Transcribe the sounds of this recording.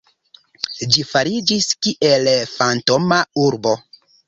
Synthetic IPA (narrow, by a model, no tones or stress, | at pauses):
d͡ʒifaɾid͡ʒiskiʔelfanto̞mauɾbo̞